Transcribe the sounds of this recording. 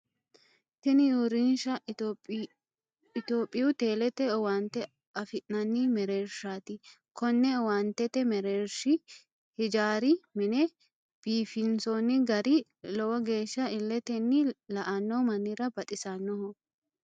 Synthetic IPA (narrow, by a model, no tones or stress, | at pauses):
tɪnɪjuːɾɪnʃɐ | ɪt̪oːpʼːɪjʊt̪e̞ːlɛt̪ɛɔwant̪ɛ | ɐfɪʔnɐnːimɛɾeːɾʃaːt̪ɪ | kʰɔnːɛwant̪ɛt̪ɛmɛɾeːɾʃɪ | hɪd͡ʒaːɾɪmɪnɛ | b̥iːfɪnsoːnːɪɡɐɾɪ | lɔwɔɡe̞ːʃːɐɪlːɛt̪ɛnːɪlɐʔɐnːɔmɐnːɪɾɐbɐt̪ʼɪsɐnːɔɦɔ